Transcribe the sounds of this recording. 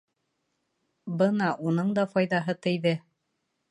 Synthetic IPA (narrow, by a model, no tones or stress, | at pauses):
bɤnɑʔunɤɴd̪ɑfɑjðɑɦɤt̪ɘ̆jðɘ